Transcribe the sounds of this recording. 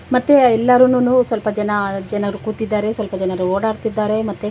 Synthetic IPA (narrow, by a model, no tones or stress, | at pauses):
mɐt̪ːeɛlːɐɾɐnunuːsʋɐlpɐd͡ʒɛnɐd͡ʒɛnɐɐɾukuːt̪id̪ːaːɾe̞sʋɐlpɐd͡ʒɛnɐɾuoːɽaːɾt̪id̪ːaːɾe̞mɐt̪ːe